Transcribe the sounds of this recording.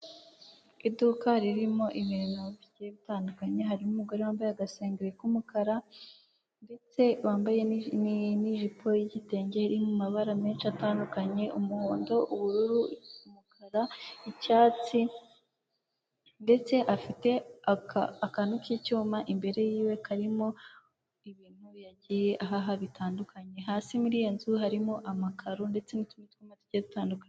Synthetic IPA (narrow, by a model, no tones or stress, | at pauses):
idukaɾiɾimo̞ʔiβiɾnoβjeβitaːndukaɲe̞ɦaɾimumuɡoɾewaːmbajaɡaseːŋɡeɾekumukaɾa | nde̞t͡se̞waːmbajenniʒipʰo̞jiɟite̞ːɲɟeiɾimumaβaɾameːnʃataːndukaɲe̞ʔumuhoːndo̞ʔuβuɾuɾuumukaɾaicaːt͡si | nde̞t͡se̞ʔafite̞akaakanukijecuːmaʔimbe̞ɾe̞jiːwe̞kʰaɾimo̞ | iβiːn̥huβjaɟije̞ʔaɦaɦaβitʰaːndukʰaɲe̞ɦaːsimuɾiːjenzuɦaɾimo̞ʔamakʰaɾonde̞t͡se̞nitumitumatu̥ɟedutaːndukaɲe